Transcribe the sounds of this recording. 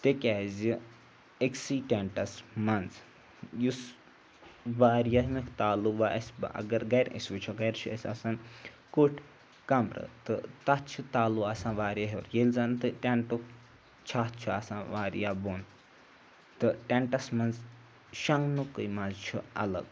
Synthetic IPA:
t̪ekʲazi | eksiːʈʲeɳʈɐsmɐnz | jus | ʋaːɾjɐɦmikʰt̪aːluʋaʔɐsʲbɨ̰ʔɐ̰ɡɐɾɡɐjɾḭsʲʋut͡ʃʰuɡɐjɾt͡ʃʰuɐ̰sʲɐ̰san | kuʈʰ | kɐmɾɨ̰t̪ɨt̪ɐt͡ʃʰut̪aːluasãːʋaːɾjɐɦiuɾjelzant̪ɨʈʲeɳʈuk | t͡ʃʰaːt͡ʃʰuɐsãːʋaːɾ̰jaːbon | t̪ɨʈʲeɳʈɐsmɐnz | ʃɐŋɡnukɨjmɐnzt͡ʃʰṵɐ̰lɐ̰ɡ

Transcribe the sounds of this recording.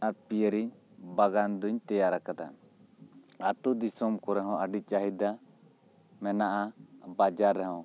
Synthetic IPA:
aɾpijəɾiɲ | baɡand̪uɲt̪ɛjaɾakad̪a̰ | at̪ud̪isɔmkɔɾɛɦɔ̃aɖit͡ʃaɦid̪a | mɛnaʔabad͡ʒaɾːɛɦɔ̃w

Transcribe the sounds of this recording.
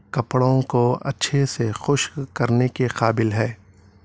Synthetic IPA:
kɐpɽõkoɐ̰tːʃʰesexʊʃkkɐɾnekeqaːbɪlɦɛː

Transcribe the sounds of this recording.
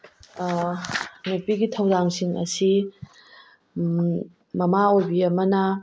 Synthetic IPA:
nupiɡitʰɐwdaŋsiŋɐ̰si | mɐmaojbiɐmɐnɐ

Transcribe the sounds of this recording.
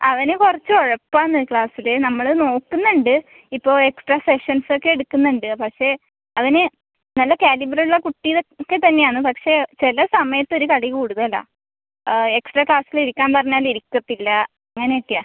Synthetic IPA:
ɐʋɐnekurɐt͡ɕːɨoɻɐpːaːnːɐkɭaːsilenɐmːɐɭɨno̞ːkːunːuɳɖɨ | ipːo̞ːe̞ksʈraːse̞ʂɐnso̞kːe̞eɽukːunːuɳɖɨpɐkʂe̞ | ɐʋɐne | nɐlːɐkaːlibrilːɐkuʈːijðokːe̞t̪ɐnːe̞jaːɳɨpɐkʂe̞t͡ɕelɐsɐmɐjɐt̪ːo̞ɾukɐɭikuːɽuðɐla̰ː | eksʈraːkɭaːsiliɾikʲːaːnpɐrɐɲːaːliɾikʲːɐt̪ːilːɐ | ɐŋːɐneeʈːija

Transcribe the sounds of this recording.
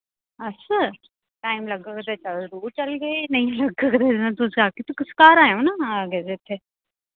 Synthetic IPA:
ɐs | ʈaːɪmlɐɡəkd̪et͡ʃɐld̪uːɾt͡ʃɐlɡɐenɐɦĩlɐɡəkd̪enɐt̪usaːkit̪ukɪskaːɾaːjõnaɡezet̪ʰːe

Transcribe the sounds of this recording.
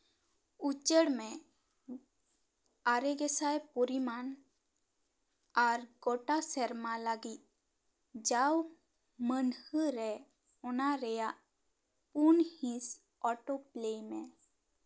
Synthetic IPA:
ut͡ʃəɽmɛ̃ | aɾɛɡɛsajpɔɾiman | aɾɡɔʈasɛɾmalaɡit̪̚ | d͡ʒaw | mənhəɾɛ | ɔnaɾɛjaʔ | punhĩs | ɔʈoplejmɛ̃

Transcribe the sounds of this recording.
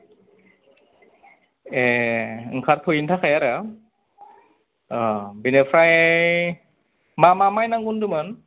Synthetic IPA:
eɯŋkʰaɾtʰojintʰakʰajaɾa | binepʰɾaj | mamamajnaŋɡundɯmɯn

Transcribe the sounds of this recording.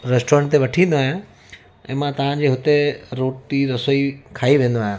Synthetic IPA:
ɾɛsʈoːɾənt̪eʋɐʈʰĩːnd̪oaːɦjã | ɛ̰̃ːmãt̪ɐʋ̤ãd͡ʑeːɦʊt̪eɾoːʈiɾɐsoikʰaːiʋẽːn̆d̪oaːɦjã

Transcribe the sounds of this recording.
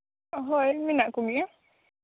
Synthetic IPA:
ɦojminakumiə

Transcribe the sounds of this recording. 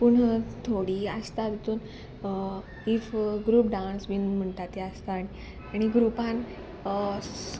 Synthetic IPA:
puɳət̪ʰoɽiːəst̪at̪t̪uːn | ifɡɾuːpɖãnsbinm̤əɳʈ̪at̪jeəst̪aːɽ̃i | aɽ̃iɡɾupãn

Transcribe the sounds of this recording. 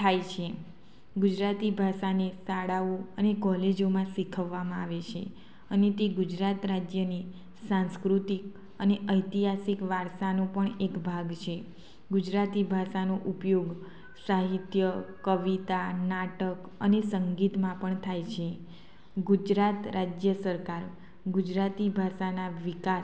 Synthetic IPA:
t̪ʰajt͡ʃʰe | ɡud͡ʒɾat̪ibʱaʃanesaɽaoənekɔled͡ʒomãsikʰəʋːamãaʋet͡ʃʰe | ənet̪eɡud͡ʒɾat̪ɾad͡ʒjəni | sãnskɾut̪ik | əneʔəjt̪iɦasikʋaɾʃanõpəɳekbʱaɡt͡ʃʰe | ɡʊd͡ʒɾat̪ibʱaʃanoʔupjoɡ | saɦit̪jəkəʋit̪anaʈək | ənesəŋɡit̪mãpəɳt̪ʰajt͡ʃʰe | ɡud͡ʒɾat̪ɾad͡ʒjəsəɾkaɾ | ɡud͡ʒɾat̪ibʱaʃanaʋika

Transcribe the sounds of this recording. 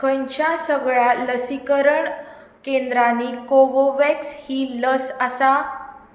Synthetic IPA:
kʰəɲt͡ɕjasəɡɭaləsikəɾəɳ | kẽnd̪ɾanikoʋoʋɛkshiːləsasa

